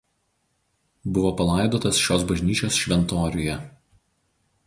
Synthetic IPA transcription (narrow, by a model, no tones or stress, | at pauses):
bʊʋoːpɐlˠɑˑɪd̪oːt̪ɐsʃʲoːsbɐʒʲnʲiːt͡ʃʲoːsʃʲʋʲɛnt̪oːɾʲʊjɛ